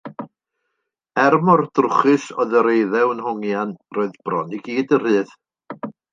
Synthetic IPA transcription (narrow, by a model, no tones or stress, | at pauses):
ɛrmɔrd̥rʊχɨsɔðəɾejðɛwənhɔŋjanroːɨðb̥rɔniɡiːdər̥ɨːð